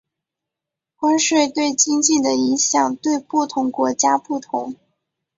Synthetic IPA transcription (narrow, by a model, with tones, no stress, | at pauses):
kwa˥nʂwe˥˧ɪt̪we˥˩ɪt͡ɕi˥ŋt͡ɕi˥˩d̪ə˩i˧˥ŋɕjɑ˨˩ŋt̪we˥˧ɪpu˥˩t̪ʰʊ˧˥ŋkwɔ˧˥t͡ɕja˥pu˥˩t̪ʰʊ̰˧˥ŋ